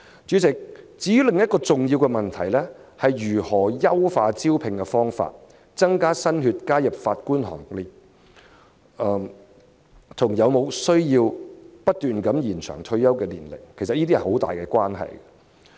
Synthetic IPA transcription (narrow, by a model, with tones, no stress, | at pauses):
t͡ʃyː˨˥t͡sɪ˨k̚t͡siː˨˥jy˥lɪ˨ŋjɐ˥t̚kɔː˧t͡sʊ˨ŋjiː˧wkɛ˧mɐ˨˩nt̪ʰɐ˨˩jlɛː˥hɐ˨jɥyː˨˩hɔː˨˩jɐ˥wfaː˧t͡siː˥wpʰɪ˨ŋkɛ˧fɔː˥ŋfa̰ː˧t̚ | t͡sɐ˥ŋkaː˥sɐ˥nɦyː˧t̚kaː˥jɐ˨p̚faː˧t̚kuː˥nhɔ̰ː˨˩ŋli˨˩˧ | t̪ʰʊ˨˩ŋjɐ˨˧wmo˨˧wsɵ˥ɥjiː˧wpɐ˥t̚t̪yː˨nkɐ˨˥mjiː˨˩nt͡sʰœ̰ː˨˩ŋt̪ʰɵ˧ɥjɐ˥wkɛː˧liː˨˩nlɪ̰˨˩k̚kʰe˨˩jsɐ˨t̚jiː˥t̪i˥hɐ˨jho˨˥wt̪a̰ː˨jkɛː˧kʷwʷaː˥nɦɐ̰˨jɡɐ˨